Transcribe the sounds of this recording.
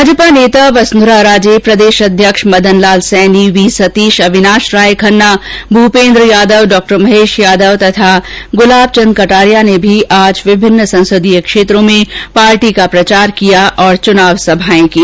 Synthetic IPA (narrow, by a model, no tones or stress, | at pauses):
bʱaːd͡ʒəpaneːt̪aʋɐsnd̪ɾaɾaːd͡ʒepɾɐd̪eːʃɐd̪ʱjəkʃmɐd̪ʱənlaːlsɛːniʋiːsɐt̪iːʃɐʋɪnaːʃɾaːjkʰɐnːabʱupẽːnd̪ɾəjaːd̪əʋɖɔːk̚ʈəɾmɐɦeːʃjaːd̪əʋt̪ɐt̪ʰaɡʊlaːb̚t͡ʃɐ̃nd̪̚kɐʈaːɾijanebʱiʔaːd͡ʒʋɪbʱɪnːəsɐ̃nsəd̪ʱijəkʃeːt̪ɾõmẽpaːɾʈikapɾɐt͡ʃaːɾkijaʔɔːɾt͡ʃʊnaːʋsɐbʱaːẽkiː